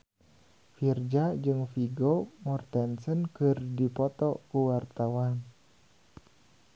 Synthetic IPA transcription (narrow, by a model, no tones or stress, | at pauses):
fird͡ʒad͡ʒɨŋfiɡomɔrt̪ɛnsənkɨrdipɔt̪ɔkuwart̪awan